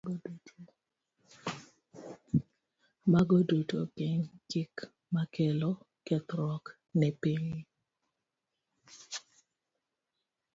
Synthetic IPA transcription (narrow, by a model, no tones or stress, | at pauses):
odutʰo | maɡodutokɪɲt͡ʃɪk | makʰɛlɔ | kɛt̪ɾɔk | nɪpiɲi